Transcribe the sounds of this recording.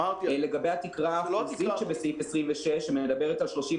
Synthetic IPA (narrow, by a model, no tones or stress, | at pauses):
le̞ɡabejhat̪ikʁaziʃebesifesʁimveʃeʃemed̪ɐbeʁetalʃlo̞ʃi